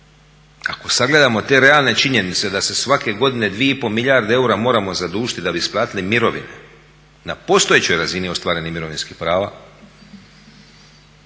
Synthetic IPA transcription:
a̰ko̞saɡle̞d̪amo̞t̪e̞ɾe̞alne̞t͡ʃiɲe̞nit̪se̞d̪ase̞sʋake̞ɡo̞d̪ine̞d̪ʋijeipo̞miʎaɾd̪ee̞uɾamo̞ːɾamo̞zad̪uːʒit̪id̪abisplˠaːt̪ilimiɾo̞ʋḭne̞ | napo̞st̪o̞jet͡ɕo̞jɾazinio̞st̪ʋaːɾe̞nimiɾo̞ʋinskixpɾaːʋa

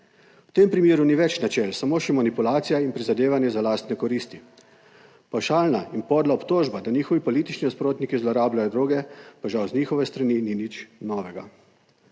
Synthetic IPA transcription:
wt̪eːmpɾimeːɾuniʋɛt͡ʃnat͡ʃɛlsamoːʃɛmanipulaːt̪sijainpɾizad̪eːʋanjɛzalaːst̪nɛkɔɾiːst̪i | pawʃaːlnainpɔːd̪laɔpt̪oːʒbad̪aniːxɔʋipɔliːt̪it͡ʃninaspɾoːt̪nikizlɔɾaːblajɔd̪ɾoːɡɛpaʒawzniːxɔʋɛst̪ɾanininit͡ʃnɔːʋɛɡa̰

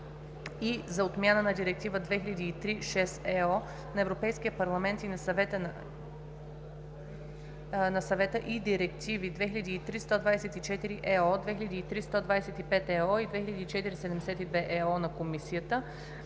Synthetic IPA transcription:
izɐot̪mʲjanənɐd̪iɾɛk̚t̪ivəd̪vɛxilʲɐd̪iːt̪ɾiʃɛsɛɔ | nɐɛvɾopɛjskijəpɐɾlˠɐmɛnt̪inɐsvɛ | nɐsɐvɛt̪əʔid̪iɾɛkt̪ivid̪vɛxilʲɐd̪iːt̪ɾist̪od̪vad̪sɛt̪it͡ʃɛt̪iɾiʔɛɔd̪vɛxilʲʎɐd̪iːt̪ɾist̪ɔd̪vaɛsɛt̪ipɛt̪ɛɔid̪vɛxilʲɐd̪iːt͡ʃɛt̪iɾisɛd̪ɛmd̪ɛsɛt̪id̪vɛʔɛɔnɐkomisiət̪ə

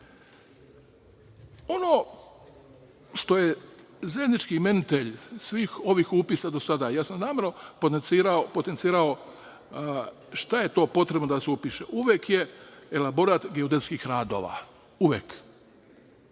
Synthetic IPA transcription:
o̞noː | ʃt̪o̞je | zajed̪nit͡ʃkime̞nit̪eʎsʋiːxo̞ʋiːxupisad̪o̞sad̪ajaːsamnaːmeɾnopot̪ent̪siːɾaopo̞t̪ent̪siːɾao̞ | ʃt̪aje̞t̪o̞ːpo̞t̪ɾe̞bnod̪aseupiʃeʔuʋje̞kje̞elabo̞ɾaːt̪ɡeod̪et̪skixɾaːd̪o̞ːʋa̰ | uʋjḛk

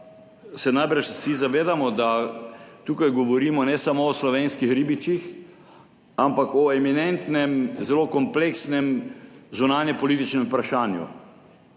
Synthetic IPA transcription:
sɛnajbɾaʃsizaʋeːd̪amɔd̪a | t̪uːkajɡɔʋɔɾiːmɔnɛsamoːslɔʋenskixɾibit͡ʃix | ampakɔɛminɛnt̪nɛmzɛloːkɔmpleksnɛmzunaːnjɛpɔliːt̪it͡ʃnɛmpɾaʃaːnjṵ

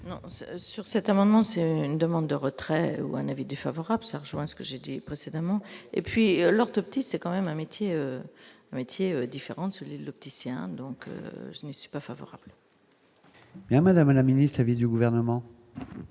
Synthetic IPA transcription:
nɔ̰̃ssyʁsɛt̪amɑ̃d̪mɑ̃sɛyyynd̪əmɑ̃d̪ːəʁət̪χɛṵɛ̃navid̪yfavɔʁablsaʁəʒwɛ̃sə̥kəʒed̪ipχesed̪amɑ̃ḛpɥiølɔʁt̪ɔp̚t̪isɛkɑ̃mɛmɛ̃met̪jeøɛ̃met̪ʰjeød̪ifeʁɑ̃səlɥid̪əlɔp̚t̪iseɛ̰̃d̪ɔ̃kø̰ʒənəsɥi̥pafavɔ̰ʁa̰bl | bjɛ̃mad̪amlaminist̪lavid̪yɡuvɛʁnəmɑ̃

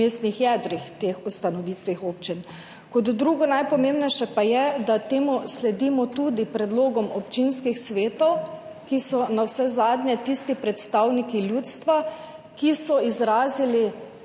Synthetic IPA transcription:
est̪nixjɛd̪ɾixt̪eːxust̪anɔʋiːt̪ʋixoːp̚t͡ʃin | kɔd̪ːɾuːɡɔnajpɔmembnɛjʃɛpajɛd̪at̪eːmuslɛd̪imɔt̪ud̪ipɾɛd̪loːɡɔmɔpt͡ʃinskixsʋeːt̪ɔw | kisɔnawsɛzaːd̪ɲɛt̪ist̪ipɾɛt̪st̪awnikiljuːt̪st̪ʋa | kisɔizɾaːzili

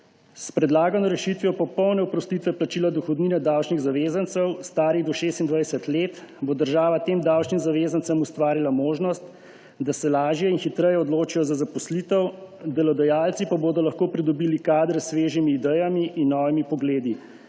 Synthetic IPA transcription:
spɾɛd̪laːɡɔnɔɾɛʃit̪ʋiɔpɔpɔwnɛɔpɾɔst̪it̪ʋɛplat͡ʃiːlad̪ɔxɔd̪ninɛd̪awt͡ʃniɣzaʋeːzant̪sɛwst̪aːɾiɣd̪ɔʃeːst̪ind̪ʋajsɛt̪leːt̪bod̪əɾʒaːʋat̪eːmd̪awt͡ʃnimzaʋeːzansamust̪ʋaːɾilamoːʒnɔst̪ | d̪asɛlaːʒjɛinxit̪ɾɛjɛɔd̪loːt͡ʃijɔzazapɔslit̪əwd̪ɛlɔd̪ɛjaːlt̪sipaboːd̪ɔlɐxkoːpɾid̪ɔbiːlikaːd̪ɾɛsʋeːʒimiːd̪ɛjamiʔinːɔːʋimipɔɡleːd̪i

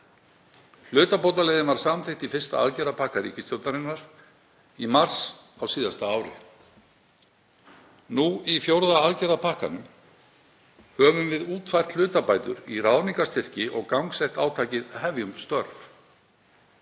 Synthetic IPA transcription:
l̥ʏːt̪apowt̪alɛjðɪnvaɾ̥samθejht̪ifɪr̥st̪a̰a̰ðcɛɾðapʰahkaɾḭːcɪst̪jowt̪aɾɪnːaɾ̥ | imar̥sawsiːðast̪aaːwɾɪ̰ | nuifjowɾðaaðcɛɾðapʰahka̰nʏm | hœːvʏmvɪðuːt̪fajr̥t̪l̥ʏːt̪apaːjt̪ʏ̰ɾiraːðniŋkast̪ʰɪr̥cɪʔɔɣkawŋksɛht̪aːwt̪ʰaːcɪðhɛvjʏmst̪œɾf

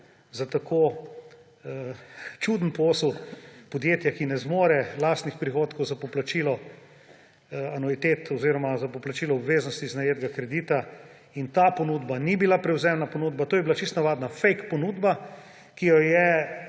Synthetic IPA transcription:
zat̪akʰo | t͡ʃud̪npoːswpɔd̪jeːt̪jakinɛzmoːɾɛlaːst̪nixpɾixoːt̪kɔwzapɔplat͡ʃiːlɔ | anɔit̪et̪ʰɔziɾɔmazapɔplat͡ʃiːlɔɔbʋeːznɔst̪iznajeːd̪ɡakɾɛd̪iːt̪a | int̪apɔnud̪banibilapɾɛwzɛmnapɔnuːd̪bat̪oːjɛbilat͡ʃist̪naʋaːd̪nafɛjkpɔnud̪ba | kijɔjɛ

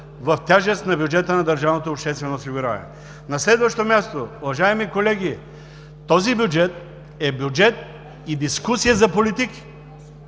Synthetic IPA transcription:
vɐft̪ʲjaʒɛst̪nɐbjʊd͡ʒɛt̪ənɐd̪əɾʒavnot̪oːpʃt̪ɛst̪vɛnosiɡuɾa̰v̰ɛ | nɐslɛd̪vɐʃt̪omʲjast̪oʊvɐʒajɛmikolɛɡ̟ʲi | t̪ɔzibjud͡ʒɛt̪̚ | ɛbjud͡ʒɛt̪̚ | id̪iskusijəzɐpolit̪iki̥

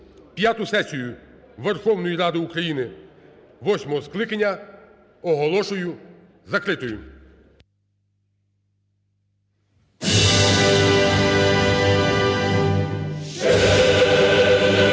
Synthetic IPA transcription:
pjat̪ʊsɛsʲijʊ | ʋerxɔwnɔjiɾɑd̪ɪukɾɐjinɪ | ʋɔsʲmɔɦɔsklˠɪkɐnʲːɐ | ɔɦɔlˠɔʃʊjʊ | zɐkɾɪt̪ɔjʊ

